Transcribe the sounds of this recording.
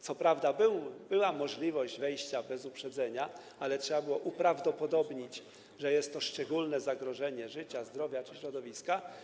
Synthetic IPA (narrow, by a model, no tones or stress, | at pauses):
t̪sɔpɾavd̪abɘwbɘwamɔʐlʲivɔʑd͡ʑvɛjɕt͡ɕabɛzupʂɛd̪zɛɲa | alɛtʂɛbabɘwɔʔupɾavd̪ɔpɔd̪ɔbɲit͡ɕ | ʐɛjɛst̪ːɔʂt͡ʂɛɡulnɛzaɡɾɔʐɛɲɛʐɘt͡ɕazd̪ɾɔvʲjat͡ʂɘɕɾɔd̪ɔvʲiska